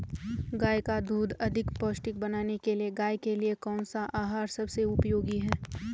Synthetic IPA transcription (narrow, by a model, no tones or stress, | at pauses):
ɡaːjkad̪uːd̪ʱɐd̪ʱɪkpoːsʈɪk̚bɐnaːnekelieɡaːjkeliekɔːnsaʔaːɦaːɾsɐbseʊpjoːɡiɦɛː